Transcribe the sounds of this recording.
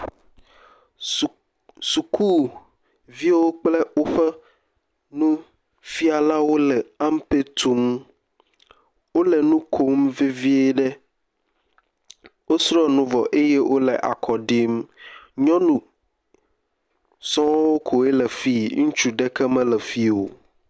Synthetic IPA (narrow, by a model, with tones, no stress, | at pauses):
su˨kʰu˦˨ | vi˦wo˦k͡plɛ˦wo˦ɸɛ˦ | nũ˦ | fi˦a˨la˦wo˦lɛ˨a˦m˦pe˦t̪ʰu˨m | wo˦lɛ˨nũ˦kʰo˦mvi˦vi˦e˦ɖɛ˦ | wo˦sɾɔ˦nũ˨vɔ˨ʔe˦je˦wʔo˦lɛ˨ʔa̰˨kʰɔ˨ɖi˦mɲɔ̃˦nũ˨ | sɔ̃˦wo˦kʰo˨e˦lɛ˨fi˦ŋũ˦t͡ʃu˦ɖɛ˦kɛ˦mɛ̃˦lɛ˨fi˦wo˨